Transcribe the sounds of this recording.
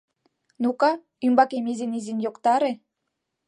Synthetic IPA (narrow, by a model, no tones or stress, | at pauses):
nukɑ | ymbɑkemezenizinjokt̪ɑɾe